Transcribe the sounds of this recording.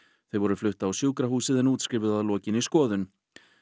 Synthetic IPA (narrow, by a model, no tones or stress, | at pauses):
θejvɔɾʏflʏht̪aawsjuːwkɾahuːsɪðɛnuːt̪skɾɪːvʏðaðlɔːcɪniskɔːðʏn